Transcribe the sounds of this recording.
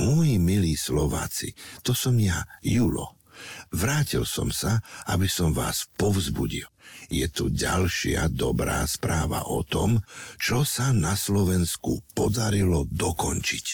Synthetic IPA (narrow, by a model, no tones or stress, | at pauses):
mɔjimiliːslɔʋa̰ːt͡sḭt̪ɔsɔmjajuːlɔ̰ | ʋɾaːcilsɔ̰msaʔabisɔmʋaːspɔʊzbṵɟiljɛt̪uɟa̰lʃɪa̰d̪ɔbɾaːspɾaːʋa̰ʔɔt̪ɔmt͡ʃɔsanaslɔʋɛnskupɔd̪aɾilɔd̪ɔkɔnt͡ʃic